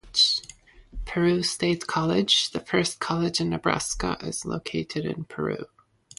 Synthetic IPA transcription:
pʰə˞ʉsteɪtkʰɑlˠɪdd͡ʒðɨfɜ˞skʰɑlˠɨd͡ʒɨ̃nːɨbɹæ̰skə̰ʔɪz̥lo̰ʊkʰeɪɾɨɾɨ̰̃npʰə̰˞ʉ̰

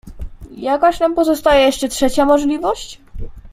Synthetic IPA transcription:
jakaɕnampɔzɔst̪ajɛjɛʂt͡ʂɛtʂɛt͡ɕamɔʐlʲivɔɕt͡ɕ

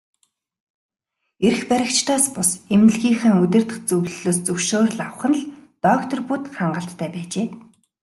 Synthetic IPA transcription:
erxpæɾʲɪ̆kt͡ɕt̪aːspʊsemnɘ̆ɮɣiːŋχæːŋɵt̪ʲɘ̆r̥t̪ɘ̥̆χt͡sɵɣɮ̆ɮoːst͡sɵwʃoːrɮaw̆χə̆nɮt̪ɔkt̪ʰɞ̆rput̪χaɴɢə̆ɬt̪ʰːæːpæːt͡ɕeː

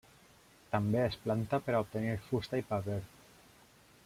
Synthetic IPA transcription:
t̪ambeesplant̪apeɾaup̚t̪eniɾfust̪aipaβeɾ

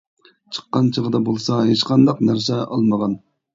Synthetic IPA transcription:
t͡ʃʰə̥qːɑnt͡ʃʰəʁəd̪ɑbolˠsɑɦeʃqɑnd̪ɑqnæɾsɛʔɑ̰lˠməʁɑn

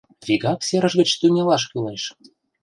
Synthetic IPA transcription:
vʲiɡɑksʲeɾə̆ʒɣə̆t͡ɕt̪unʲelɑʃ̬kyleʃ

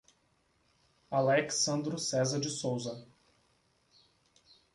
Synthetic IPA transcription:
alɛksɐ̃nd̪ɾʊsɛzɐd͡ʒɪsowzɐ

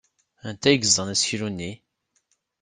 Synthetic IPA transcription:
ænt̪æjɡəzːənæsçiɾunːi

